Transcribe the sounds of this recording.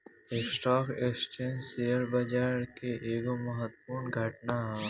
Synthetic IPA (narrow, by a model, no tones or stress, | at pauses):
eksʈɔːkeksʈiənsejəɾbəd͡ʒaːɾkeʔeːɡoməɦət̪ːpuːɾnɡʱəʈnaɦɛ̃